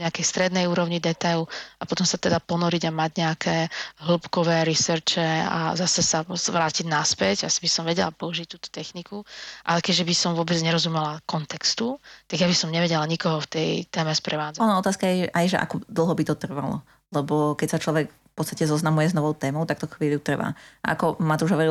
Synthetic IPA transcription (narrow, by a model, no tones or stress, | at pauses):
ɲɛakɛjst̪ɾɛd̪nɛjuːɾɔʊɲid̪ɛt̪ajluapɔt̪ɔmsat̪ɛd̪apɔnɔɾiɟamaɟɲɛakʰɛːɦl̩pkɔʋɛːɾisɛɾt͡ʃɛa̰zasɛsazʋɾaːciɟnaspɛɟa̰sibisɔmʋɛɟɛla̰pɔuʒic̚t̪uːt̪ɔ̥t̪ɛxnikuʔa̰lɛkɛɟʒɛbisɔmʋʊɔbɛd͡zɲɛɾɔzumɛlakɔnt̪ɛkst̪ut̪aɡjabisɔmɲɛʋɛɟɛlaɲikɔɦɔft̪ɛjt̪ɛːmɛspɾɛʋaːd͡zaɔnaɔt̪aːskajɛʔajʒɛ̰ʔa̰kɔd̪l̩ˠɦɔbit̪ɔt̪r̩ʋalɔ̰ | lɛbɔkɛcsat͡ʃlɔʋɛkffpɔt̪st̪acɛzɔznamujɛznɔʋɔʊt̪ɛːmɔʊt̪akt̪ɔxʋiːljut̪r̩ʋa̰ːa̰kɔmat̪uʒɦɔʋɔɾi